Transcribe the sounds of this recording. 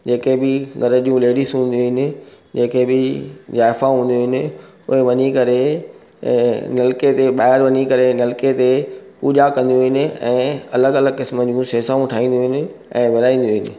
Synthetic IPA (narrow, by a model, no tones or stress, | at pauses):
d͡ʑeːkebɪɡʱɐɾəd͡ʑũleːɖisɦũːnd̪ijoɦɪnɪ̆ | d͡ʑeːkʰebɪzaːɪfaɦũːnd̪joɦɪnɪ̆ | ʊ̰ɦeʋɐɲikɐɾḛ̃ | nɐlɪket̪eɓaːɪɾʋɐɲikɐɾenɐlket̪epuːʄakɐ̃nd̪ijuɦɪnɪ̆ɛ̰̃ːɐləɡɐləɡkɪsməd͡ʑũseːsaːũʈʰaːĩːn̆d̪oɦɪnɪ̆ | ɛ̰̃ːʋɪɾaːĩːn̆d̪oɦɪnɪ̆